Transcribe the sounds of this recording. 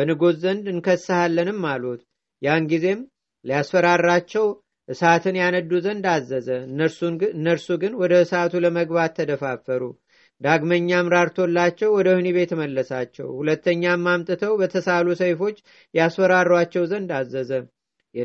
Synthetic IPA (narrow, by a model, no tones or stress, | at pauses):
bənɨɡoszənd̪ɨnkʰəsːɨhalːənɨmːalut̪ | janɡize̞m | lijasfəɾarːat͡ʃːɛw | ʔɨsat̪ʰɨnjanəd̪ːuzənd̪azːəzənːəɾsunɨnːəɾsuɡɨnwɔd̪əɨsat̪ʰuləməɡbat̪ʰːəd̪əfafːəɾṵ | d̪aɡməɲːamɾaɾt̪ʰo̞lːat͡ʃːɛwwɔd̪əhniβe̞t̪məlːəsat͡ʃːɛ̰whulət̪ːəɲːamːamt̪ʼɨt̪ʰəwbət̪ʰəsalusəjfo̞t͡ʃː | jasfəɾarːwat͡ʃːɛwzənd̪azːəzə